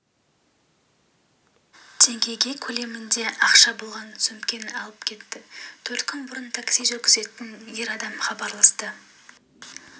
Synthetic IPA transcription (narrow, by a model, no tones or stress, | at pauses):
d̪̥e̞ŋɡʲe̞jɡʲe̞kʲʰɵle̞mɪnd̪e̞ʔɑqʃɑbolˠʁɑnsʏmkʲe̞nɑlˠəpkʲʰe̞t̪ːɪt̪ʰɵɾt̪kʲʰʏnbʊɾənt̪ʰaksijzʒɵɾkʲʰɪze̞t̪ɪnje̞ɾɑd̪ɑmχɑbɑɾlˠɑst̪ə